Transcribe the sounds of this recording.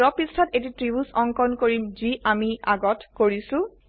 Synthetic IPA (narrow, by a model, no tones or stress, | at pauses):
ɔpistʰatetitɹibusɔŋkɔnkoɹimziʔamiaɡɔtkoɹisʊ̃